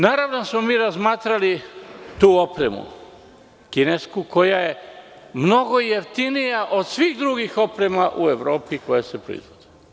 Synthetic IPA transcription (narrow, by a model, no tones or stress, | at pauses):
naːɾaʋnosmo̞miːɾazmaːt̪ɾalit̪uːo̞pɾe̞mṵ | kine̞skuko̞jaje̞ | mno̞ɡo̞jeft̪inijaʔo̞d̪sʋiːxd̪ɾuɡixo̞pɾe̞maʔue̞ʋɾo̞ːpiko̞jasepɾo̰ḭzʋod̪̥i̥